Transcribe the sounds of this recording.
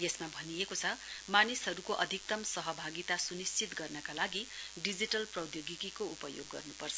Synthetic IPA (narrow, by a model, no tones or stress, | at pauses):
jesmabʱʌnijekot͡sʰʌmanisɦʌɾukoʔʌd̪ʱik̚t̪ʌmsʌɦʌbʱaɡit̪asunist͡sit̪ɡʌrnʌkalaɡiɖid͡ziʈʌlprʌwd̪joɡikikoupʌjo̰ɡːʌ̰rnupʌrt͡sʰʌ